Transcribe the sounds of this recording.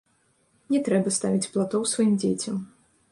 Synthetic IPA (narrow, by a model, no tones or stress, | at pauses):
nʲɛt̪ɾɛbɐst̪avʲit͡sʲplˠat̪ɔwsvajimd͡zʲet͡sʲɐm